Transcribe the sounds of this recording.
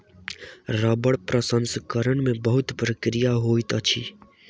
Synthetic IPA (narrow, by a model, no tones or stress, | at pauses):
ɾəbəɽpɾəsənskəɾəɳmẽbəɦʊt̪pɾəkɾijaɦoit̪ət͡ʃʰi